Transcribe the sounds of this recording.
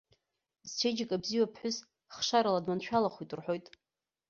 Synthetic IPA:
zt͡ʃʷʰed͡ʒakʼabziwapʰħʷᶣʊs | χʂaɾaladmant͡ʃʷᶣʰalaχujtʼɨrħo̞jtʼ

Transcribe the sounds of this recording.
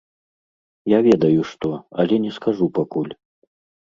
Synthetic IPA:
javʲɛd̪ɐjuʂt̪ɔɐlʲɛnʲɛskaʐupakulʲ

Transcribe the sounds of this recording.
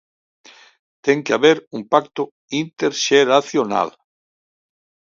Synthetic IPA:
t̪eŋkeaβeɾumpakt̪ʊ | int̪eɾʃeɾaθjona̰l

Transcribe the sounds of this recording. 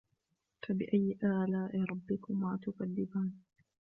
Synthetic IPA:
fabɪʔajːɪʔaːlaːʔɪɾˤɑbːɪkʊmaːt̪ʊkalːɪbaːn

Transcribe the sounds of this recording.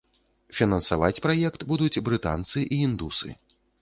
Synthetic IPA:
fʲinɐnsava̰t͡sʲpɾajɛkt̪bud̪ut͡sʲbɾɨt̪a̰nt̪sɨʔiind̪usɨ̰

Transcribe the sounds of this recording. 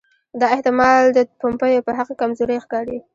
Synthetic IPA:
d̪ɑɪht̪ɪmɑld̪əpompəjopəɦaqkamzoɾəjxkɑɾi

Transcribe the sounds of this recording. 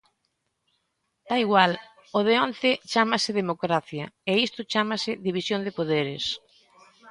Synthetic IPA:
d̪̥aiɣwal | oðeont̪ɪt͡ʃamɐsɪðemokɾaθjɐeist̪ʊt͡ʃamɐsɪðiβisjond̪ɪpoðeɾɪs

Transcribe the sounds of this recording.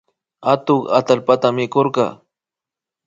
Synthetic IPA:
at̪oχa̰t̪alpat̪amɪkoɾɢɑ̰

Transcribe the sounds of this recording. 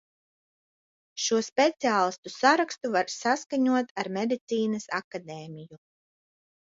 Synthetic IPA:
ʃuɔspʲet̪siaːlˠist̪usaɾakst̪uvaɾsaskaɲuɔt̪aɾmed̪it̪siːnɐsakad̪eːmiju

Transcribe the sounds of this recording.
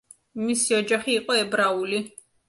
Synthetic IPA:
misiɔd͡ʒaχiːqʼɔɛbɾauli

